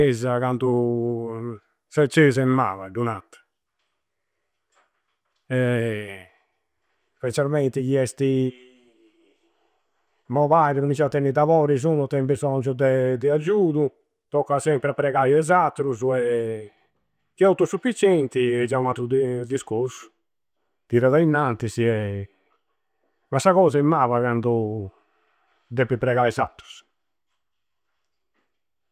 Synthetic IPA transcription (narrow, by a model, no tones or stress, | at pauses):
ɛzakant̪u | sɛt͡ʃːezɛmːa̰ːvaɖunat̪ː | ɛ | spɛt͡ʃːalmɛnt̪ikiɛst̪i | mɔvaɾinumit͡ʃaat̪ːɛnːid̪avɔːɾiz̬unut̪ːɛmbizɔnd͡ʒud̪ɛd̪ɛad͡ʒuːðu | t̪ɔkːasɛmpɾapɾɛɣajɛzat̪ːɾuzuɛ | kːiawt̪usufit͡ʃɛnt̪iɛd͡ʒaumat̪ːud̪d̪iskoɾsu̥ | t̪iɾaðainːant̪isiɛ | masːaɣɔːzaimːaːvaɣand̪u | d̪epːipɾɛɣaizat̪ːɾu̥s